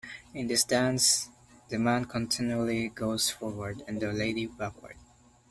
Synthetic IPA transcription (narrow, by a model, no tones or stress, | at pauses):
ɪ̃nðɨsdæ̃ns | ðɨmæ̃nkʰə̃ntʰɪ̃njuəl̩ˠiɡoʊz̥fɔɹwə˞dɨ̃ndəleɪɾibækwə̰˞d̥̚